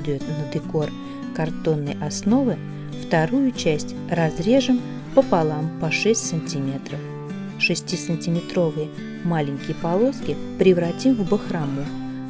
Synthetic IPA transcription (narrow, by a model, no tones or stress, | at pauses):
d̪əjʊt̪nəd̪ɨko̞r | kɐrt̪o̞nːəjɐsno̞vɨ | ft̪ɐɾujʊt͡ɕæsʲtʲ | rɐzɾʲe̞ʐɨm | pəpɐlˠampɐʂɛsʲtʲsənʲtʲimʲe̞t̪ɾəf | ʂɨsʲtʲisənʲtʲɪmʲɪt̪ɾo̞vɨjə | malʲɪŋʲkʲɪjəpɐlˠo̞skʲɪpɾʲɪvɾɐtʲimvbəxɾɐmu